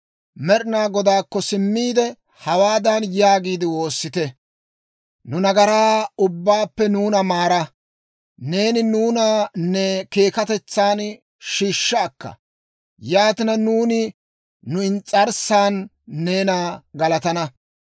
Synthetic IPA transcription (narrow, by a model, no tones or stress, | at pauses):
mɛɾɪnaːɡɔd̪aːkːɔsɪmːiːd̪ɛ | hɐwaːd̪anjaːɡiːd̪ɪwo̞ːsːɪt̪ɛ | nʊnɐɡɐɾaːʊbːaːpːɛnuːnɐmaːɾɐ | ne̞ːnɪnuːnanɛke̞ːkɐt̪ɛt͡sːaːn | ʃiːʃːɐːkːɐ̰ | jaːt̪ɪnɐnuːnɪː | ʊɪnt͡sʼɐɾsaːnː | e̞ːnaɡɐlɐt̪ɐnɐ